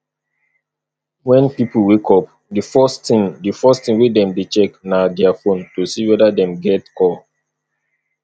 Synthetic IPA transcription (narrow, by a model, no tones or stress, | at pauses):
wɛ̃npipl̩wekʰɔp̚ | difɔstĩŋdifɔstĩŋwedɛ̃mdet͡ʃɛknadɛafõntosiwɛdadɛ̃mɡɛtkʰɔ